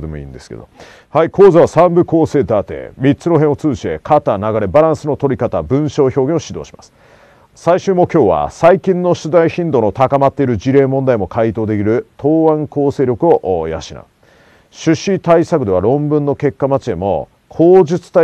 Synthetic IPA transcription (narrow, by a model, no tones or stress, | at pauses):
d̪emoḭ̃ːnd̪e̞sɨ̥ke̞̰d̪o̰ | haikʰo̞ːzaβ̞asãmbɯ̟ko̞ːse̞ːd̪at̪ḛːmʲit͡sɨno̞ɦẽɰ̃o̞t͡sɨːɕi̥t̪e̞̰kʰat̪aːnaɡaɾe̞baɾãɰ̃sɨno̞t̪o̞ɾʲikat̪abɯ̟̃ɰ̃ɕo̞ːço̞ːɡẽ̞oɕid̪o̞ːɕi̥ma̰sɨ̥ | saiɕɨːmo̞kʲo̞ːβa̰saikʲĩnːo̞ɕɨd̪aiçĩnd̪o̞ːnot̪akamat̪ːe̞iɾɯ̟d͡ʑiɾe̞ːmõ̞nd̪aimo̞kʰait̪o̞ːd̪e̞k̬ʲiɾɯ̟t̪ʰo̞ːβãŋko̞ːseːɾʲo̞kɯ̟o̞ʔja̰ɕina̰ | ɕɨɕit̪aisakɯ̟d̪e̞βaɾõ̞mbɯ̟̃nːo̞ke̞kːamat͡ɕid̪e̞mo̞̰ | kʰo̞ːʑit͡sɨ̥t̪a